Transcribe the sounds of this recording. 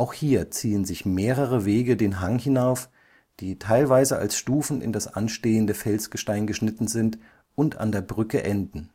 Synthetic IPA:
ʔaʊxhiːɐt͡siːənzɪçmeːʁəʁəveːɡədeːnɦaŋhɪnaʊf | d̥iːtʰaɪlvaɪzəa̰lsʃtuːfn̩ɪ̰ndasʔa̰nʃteːəndəfɛlsɡ̥əʃtaɪnɡəʃnɪtn̩zɪnt | ʊnta̰ndeːɐbʁʏkəʔɛndn̩

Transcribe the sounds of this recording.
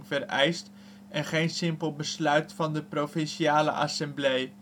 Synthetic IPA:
ŋvərɛjst | ɛnχejnsɪmpəlˠbəslœɥtfɑndəprofɪnʃiaːlə̰ʔɑ̰sɛmblej

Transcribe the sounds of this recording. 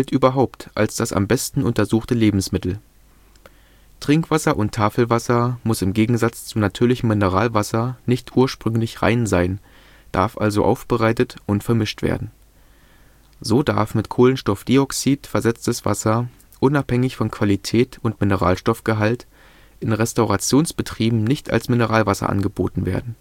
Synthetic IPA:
ɛltʔyːbɐɦaʊptʔa̰lsd̥asa̰mbɛstn̩ʊntɐzuːχtəleːbm̩smɪtl̩ | tʁ̥ɪŋkv̥asɐʔʊntʰːaːfl̩vasɐmʊsɪmɡeːɡŋ̩zat͡st͡sunatʰyːɐlɪçm̩mɪnəʁa̰ːlvasɐnɪçtʔuːɐʃpʁ̥ʏŋlɪçʁa̰ɪnzaɪn | d̥a̰ɐfʔa̰lzo̰ʔa̰ʊfb̥əʁaɪtətʔʊntfɛɐmɪʃtv̥ḛːɐdn̩ | zoːdaɐfmɪtkʰoːlənʃtɔfd̥iɔksiːtfɛɐzɛt͡stəsv̥a̰sɐ | ʔʊnaphɛŋɪçfɔnkʰv̥alitʰɛːtʊntmɪnəʁa̰ːlʃtɔfɡ̥əɦalt | ʔɪnʁɛstaʊʁat͡sjoːnsb̥ətʁ̥iːbm̩nɪçta̰lsmɪnəʁaːlvasɐ̰ʔa̰nɡəboːtn̩vḛːɐdn̩

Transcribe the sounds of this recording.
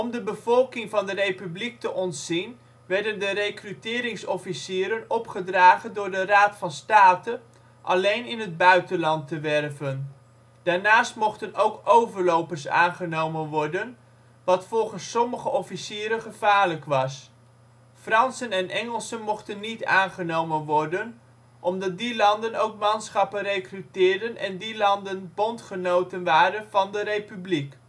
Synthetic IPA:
ɔmdəbəv̥ɔlˠkɪŋvɑndərejpyblik̚təʔɔntz̥in | ʋɛɹdəndəɾejkrytɪːɾɪŋsɔfisɪːɾənɔpχədraːχəndʊːɹdəraːtfɑnstaːtə | ʔɑ̰lejnɪnɦəd̚bœɥtənlɑntəʋɛrvən | d̥aːɹnaːstmɔχtənowkowvəɹlowpəɹsa̰ːnχənowmənʋɔɹdən | ʋɑtfɔlˠχənsːɔməχəʔɔfisiːɾənχəv̥aːɹləkʋɑs | frɑnsənɛnʔɛŋəlˠsənmɔχtənːita̰ːnχənowmənʋɔɹdən | ʔɔmdɑt̚dilɑndənowkmɑnsχɑpənrejkrytɪːɹdənʔɛ̰ndilɑndənbɔntχənowtənʋaːɾənv̥ɑndəɾejpyblik

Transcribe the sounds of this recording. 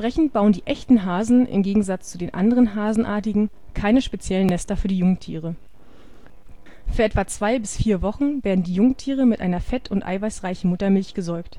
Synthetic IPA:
ʁ̥ɛçn̩t̚b̥aʊəndiːʔɛçtn̩ɦaːzn̩ʔɪ̰mɡeːɡŋ̩zat͡st͡sudeːnʔa̰ndəʁənɦaːzn̩ʔa̰ːɐtɪɡŋ̩ | kʰaɪnəʃpet͡sjɛlənnɛstɐfyːɐdiːjʊŋtʰḭːʁ̞ə | fyːɐɛtv̥at͡sv̥aɪbɪsfiːɐvɔχn̩veːɐdn̩diːjʊŋtʰiːʁəmɪtʔa̰ɪnɐfɛtʰʊntʔa̰ɪvaɪsʁaɪçn̩mʊtɐmɪlçɡ̥əzɔɐkt

